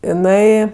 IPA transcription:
ɪˈnɐɪ

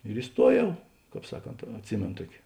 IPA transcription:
ɪr ɪˈstuɔˌjɛʊ ˈkɑːp ˈsɑːˌkoːnt ɐtʲˈsʲɪmʲeːnoː ˈtuɔkʲɪ

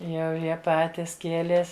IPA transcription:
ˈjɛʊ ˈjiɛ ˈpɑːtʲɪs ˈkʲiɛlʲeːs

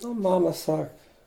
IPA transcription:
ɐ ˈmɑːmɐ ˈsɐk

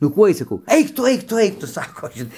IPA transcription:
nʊ ˈkuɔj sɐˈkɐʊ ˈɛɪk tʊ ˈɐɪk tʊ ˈɐɪk ˈtʊ ˈsɑːkoː ˈʒʲɪn

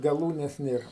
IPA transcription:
ɡɐˈlˠuːnʲɛs ˈnʲeːr

